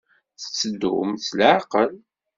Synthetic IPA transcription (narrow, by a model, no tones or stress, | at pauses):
θə̥t͡sːəd̪ːʊ̰mθlʕqəl